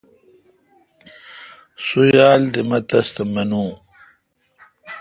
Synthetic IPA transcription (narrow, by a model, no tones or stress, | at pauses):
sujaːld̪emɐt̪ɐst̪ɐmɐnũː